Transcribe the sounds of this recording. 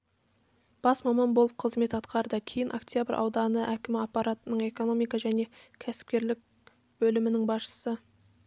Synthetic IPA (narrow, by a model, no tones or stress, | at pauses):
b̥ɑsmɑmɑnbolˠəp̚qʰəzme̞t̪ɑt̪qɑɾd̪əkʲʰe̞jɪnʔo̰kt̪ʲjabəɾʔɑ̰wd̪ɑnəʔækʲɪmɪɑpːɑɾat̪ənəɴe̞ko̞no̞mijkɑʒæne̞kʲʰæsɪ̥p̚kʲe̞ɾlɪk̚ʲ | bɵlɪmɪnɪŋbɑsʃə̥sə